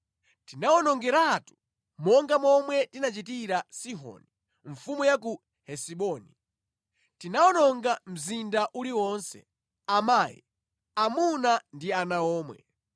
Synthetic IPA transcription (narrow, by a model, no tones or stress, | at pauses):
tinawɔnɔŋɡɛɾatu̥ | mɔŋɡamɔmwɛtinat͡ʃitiɾasiɦɔ̰ni | ɱ̩fumujak̬u | hɛsiɓɔːni | tinawɔnɔŋɡam̩zindaʔuliwɔnsɛ̰ | amaːjḭ | amunandianaɔːmwɛ̰